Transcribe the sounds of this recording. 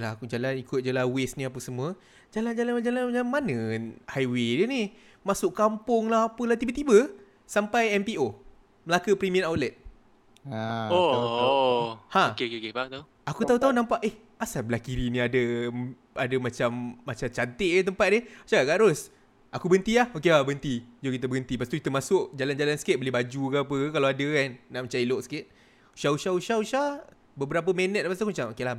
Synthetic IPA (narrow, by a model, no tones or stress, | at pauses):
laakud͡ʒalanikʊt̪̚d͡ʒəlahwesnĩap̬əsəmũə | d͡ʒaland͡ʒaland͡ʒalananmanəhajwedəni | masʊʔkampʊŋlahapəlaht̪ibət̪ibə | sampajɛmpio | məlakəpɾimiənawlɛt̪̚ | o | hãkekekebaŋt̪au | akut̪aut̪aunãmpaʔeh | asabəlahkiɾinĩadə | adəmat͡ʃamːat͡ʃat͡ʃant̪ɪʔet̪əmpat̪̚det͡ʃaɡaʔɡaʔɾos | ʔakubənt̪ilahokelabəənt̪id͡ʒokit̪əbəɡənt̪ipasit̪ukit̪əmasʊk̚d͡ʒaland͡ʒalansə̥ket̪̚bəlibad͡ʒuɡapəkalaadəkanːaʔmət͡ʃailoʔsə̥kɪt̪̚ | ʃauʃauʃauʃa | bəbəɾap̬əmɛnət̪̚pas̬t̪akumt͡ʃamokelah